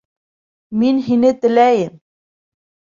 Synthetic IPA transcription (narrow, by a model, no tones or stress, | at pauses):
minɦinɘt̪ɘ̆læjɘm